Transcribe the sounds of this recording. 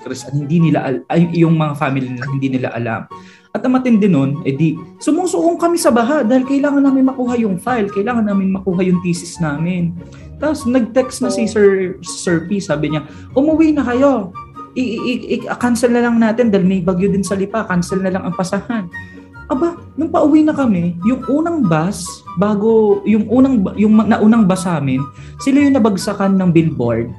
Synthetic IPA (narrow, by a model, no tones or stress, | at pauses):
kɾɛsʔɐnhɪnd̪inɪla̰ʔɐljʊŋmɐŋafaːmɪlinlahɪnd̪iːnɪla̰ʔɐ̰la̰m | ʔɐt̪̚ɐmɐt̪ɪnd̪ɛnonʔɛd̪isʊmʊsʊʔoŋkɐmɪsɐbaɦad̪aːhɪlkɐʔɪlaːŋɐnːaːmɪnmɐkuːɦɐjʊŋfajlkɐʔɪlaːŋɐnːaːmɪnmɐkuːɦɐjʊŋt̪iːsɪsnaːmɪn | t̪aposnɐɡ̚t̪ɛksnɐsisɛɹsɛɹpisaːbɪɲa | ʔʊmʊwinɐkɐjo̞ʔɪʔɐkansɛlnɐlɐŋnaːt̪ɛnd̪aːjlmɐbɐɡjod̪ɪnsɐlɪpakansɛlnɐlɐŋɐŋpɐsɐhan | ʔɐba | nʊŋpɐʔʊwinɐkɐmɛjʊŋʔuːnɐŋbasbaːɡo̞jʊŋʔuːnɐŋbjʊŋmɐnɐʔuːnɐŋbasaːmɪn | sɪlajʊŋnɐbɐɡsɐkanːɐŋbɪlbo̰ɹd̪̚